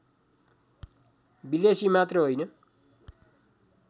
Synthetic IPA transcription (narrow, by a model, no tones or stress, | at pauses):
bid̪esimat̪rʌɦojnʌ